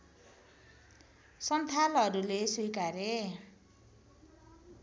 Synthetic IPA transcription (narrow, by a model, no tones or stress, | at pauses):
sʌnt̪ʰalɦʌɾulesujkaɾe